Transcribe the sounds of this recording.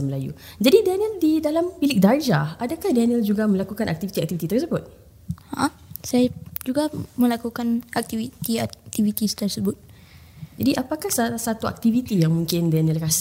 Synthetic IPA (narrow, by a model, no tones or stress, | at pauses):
məlajṵ | d͡ʒadidaniəldidalampilɪk̚dard͡ʒaadakahdanəld͡ʒuɡamə̃lakukanʔa̰k̚t̪ivit̪iak̚t̪ivit̪it̪ərsəbʊt̪̚ | aʔa | sajad͡ʒuɡamə̃lakukanak̚t̪ivit̪iat̪ivit̪ist̪ərsəbʊt̪̚ | d͡ʒadiʔapakahsaasat̪ua̰k̚t̪ivit̪ijaŋmũŋkɪndanəlras